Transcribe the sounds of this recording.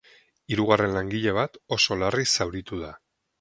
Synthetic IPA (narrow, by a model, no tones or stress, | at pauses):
iɾuɣ̞are̞nlaŋɡiʎe̞β̞at̪o̞so̞larisawɾit̪uða